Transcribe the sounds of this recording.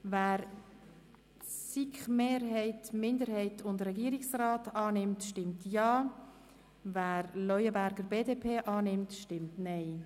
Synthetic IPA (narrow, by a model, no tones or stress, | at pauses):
væːɾ | sikχmeːɾɦɛɪtmɪndəɾhɛɪtʰʊndrɛɡiːəɾiksraːtɑːnɪmtʃtɪmtjɑː | væːɾlɔjəbæɾɡəɾbeːdeːpʰeːʔɑːnɪmtʃtɪmtnɛɪ